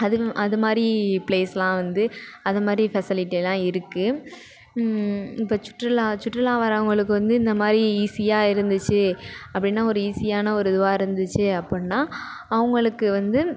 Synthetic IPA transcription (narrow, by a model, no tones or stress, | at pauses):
ɐðɯʔɐðɯmaːd̪ɾipɭeːsɐlãːʋɐnd̪ɯɐðɯmaːd̪ɾifɐsɪlɪʈːilːãːɪɾɯkːɯ | ɪpːoːt͡ʃʊ̥ʈːɾɯlaːt͡ʃʊʈrɪlãːʋɐːɾɐʋɐŋɡɐɭɯk̬ːɯʋɐnd̪ɯɪnd̪ɐmaːd̪ɾiiːsɪjaːɪɾɯnd̪ɯt͡ʃːɯɐpːɐɽɪnːaːɔɾɯiːsɪjaːnɐɔɾɯd̪ʊʋaːɪɾɯnd̪ɯt͡ʃːɯɐpːɐnːaːɐʋɐŋɡɐɭɯkːɯʋɐnd̪ɯ